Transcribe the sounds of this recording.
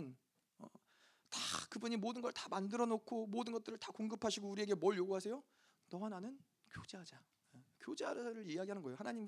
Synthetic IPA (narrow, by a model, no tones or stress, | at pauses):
n | ʌ̰ | takɯbuɲimodɯnɡʌɭtḁmandɯɾʌnokʰomodɯnɡʌt͈ɯɾɯɭtakoŋɡɯpʰaɕʰiɡouɾie̞ɡe̞mʌɭjoɡuɦasʰe̞jo | nʌananɯn | kjod͡ʑead͡ʑa | ekjod͡ʑeaɾɾɯɭijaɡiɦanɯnɡʌejohanaɲim